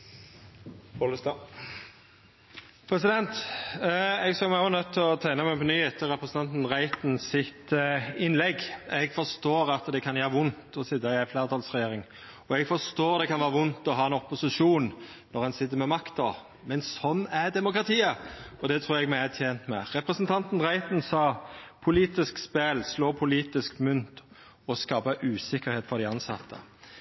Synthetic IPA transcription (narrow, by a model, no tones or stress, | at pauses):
ɔləst̪ɑ | pʰɾɛsɪd̪ɛnt̪ | ɛɡsɑlmæʊnœt̪ʰːɪlɔt̪ʰæɪnəmæɪpʰɔnyːheːt̪ʰːəɾɛpɾəsənɑnt̪n̩ɾæɪt̪n̩sɪt̪ɪnlɛɡɛɡfɔst̪oːɾɑt̪d̪ɛkʰɑnjæːɾəʋʊnt̪ɔsɪd̪ːɑɪæɪflæːɾt̪ʰɑːlsʁɛjeːɾɪŋ | ɔɛɡfɔst̪oːɾd̪ɛkɑnʋæːʁəʋʊnt̪ɔɦɑːɛnɔpːʊsɪʂuːn | nɔʁhɑnsɪt̪ːəɾmɛmɑkt̪ɑ | mɛnssɔnːæd̪ɛmʊkʁɑt̪ʰiːəɔd̪ɛt̪ʰʁuːɾɛɡmæɪæt̪ʰjeːnt̪mɛʁɛpɾɛsənt̪ʰɑnt̪n̩ʁæɪt̪n̩sɑːpʰʊliːt̪ɪskspeːlsloːpʰʊliːt̪ɪskmʉnt̪ | ɔskɑːbəʔʉːsɪkːəɾheːt̪fɔʁd̪æɪɑnsɑ̰t̪ʰːə̰